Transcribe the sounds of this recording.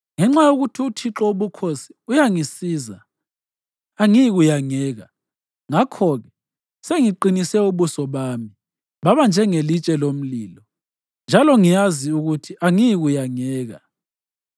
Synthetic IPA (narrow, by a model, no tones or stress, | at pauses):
ŋɛŋ͡ǁajoɣutʰiutʰiǁɔuβukʰosi̥ujaŋisiːza | aŋiiɣujaŋɛːɣa̰ | ŋakʰɔɣɛ | seŋiǃinisɛuβusɔβaːmi | βaβand͡ʒʱɛŋelit͡ʃʼɛlom̩liːlɔ | nd͡ʒʱalɔŋijaziuɣutʰiʔaŋijiɣujaŋɛːɣa̰